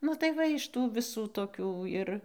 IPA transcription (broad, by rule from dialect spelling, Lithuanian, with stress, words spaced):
nʊ tɐɪ ˈʋɐ ɪʃ ˈtuː ʋʲɪˈsuː toːˈkʲuː ɪr